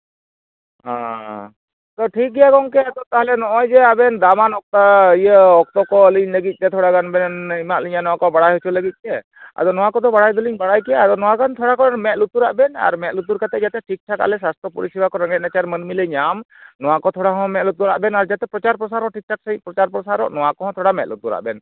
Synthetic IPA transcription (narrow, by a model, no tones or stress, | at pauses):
ɦã̰ | t̪ɔʈʰik̚ɡɛjaɡɔŋkɛad̪ɔt̪aɦlɛnɔʔɔjd͡ʒɛabɛnd̪amanɔk̚t̪aijəɔk̚t̪ɔkɔliɲləɡit̪̚ˀkɛt̪ʰɔɽaɡanbɛnnimaʔliɲanɔwakɔbaɽajɦɔt͡ʃʰuləɡit̪̚ˀkɛ | a̰d̪ɔnɔwakɔd̪ɔbaɽajd̪ɔliɲbaɽajkɛjaad̪ɔnɔwaɡant̪ʰɔɽakɔamɛt̪lut̪uɾa̰ʔbɛna̰ɾmɛt̪̚lut̪uɾkat̪ɛd͡ʒat̪ɛʈʰik̚ʈʰaka̰lɛs̬ast̪ʰɔpuɾisibakɔɾaŋɡɛt̪̚ˀnat͡ʃaɾmənmiləɲam | nɔwakɔt̪ʰɔɽaɦɔ̃mɛ̃t̪̚lut̪uɾa̰ʔbɛnaɾd͡ʒat̪ɛpɾɔt͡ʃaɾpɾɔsaɾɔʔʈʰik̚ʈʰaksəɲpɾɔt͡ʃaɾpɾɔsaɾɔ̰ʔnɔwakɔɦɔ̃t̪ʰɔɽamɛt̪̚lut̪uɾa̰ʔbɛn